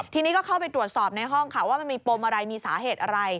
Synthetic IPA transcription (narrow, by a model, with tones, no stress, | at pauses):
t̪ʰiː˧niː˦˥kɔː˥˩kʰa˥˩wpa˧jt̪ɾu˨˩ət̪̚sɔː˨˩p̚na˧jɦɔ˥˩ŋkʰa˥˩waː˥˩ma˧˨nmiː˧po˧mʔa˧ɾa˧jmiː˧sa̰ː˩˦ɦeː˨˩t̪̚ʔa˧ɾa˧j